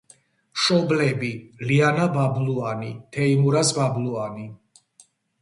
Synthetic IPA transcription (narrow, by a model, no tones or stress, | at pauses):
ʃɔblɛbilianababluanit̪ʰɛimuɾasbabluani